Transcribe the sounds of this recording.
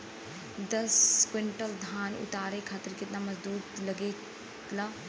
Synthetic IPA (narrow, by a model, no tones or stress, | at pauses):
d̪ɐskwɪɳʈəld̪ʱaːnʊ̰t̪aːɾekʰaːt̪ɪɾkɪt̪namɐzd̪uːt̪lɐɡe | la